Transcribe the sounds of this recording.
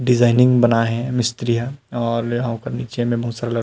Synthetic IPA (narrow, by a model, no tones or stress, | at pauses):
ɖɪzaːɪnɪ̃ŋɡbɐnaɦɛ̃mɪst̪ɾijaɔːɾjɐɦãkɐɾniːt͡ʃemẽbɐɦʊt̪saɾlə